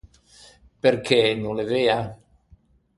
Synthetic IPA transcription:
perkʰɛnõlevea

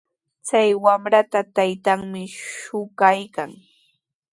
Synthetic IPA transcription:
t͡sajwamɾat̪at̪ajt̪aŋmɪʃʊɢajkaŋ

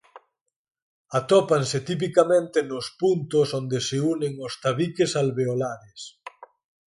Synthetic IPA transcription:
at̪ɔpanset̪ip̬ikamẽnt̪enʊspunt̪ʊsond̪eseuneŋost̪aβikesalβeolaɾes

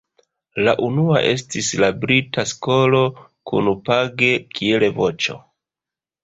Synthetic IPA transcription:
la̰ʔunua̰ʔe̞s̬tislabɾitʰasko̞lo̞kṵnpaɡe̞kʰie̞levo̞t͡ʃo̞̰

